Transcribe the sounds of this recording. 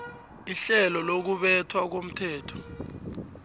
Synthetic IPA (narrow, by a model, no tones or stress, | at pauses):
iɬɛlɔlok̬uɓɛtʰwak̬om̩tʰɛːtʰɔ̥